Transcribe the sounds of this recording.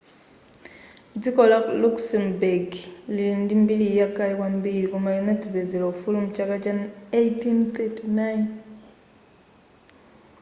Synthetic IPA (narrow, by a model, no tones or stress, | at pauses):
d͡zikɔlakluksɛmbeɡliindimbilijakːalikwambiɾikumajunatibed͡zilofulumt͡ʃakat͡ʃanejtinθetinajn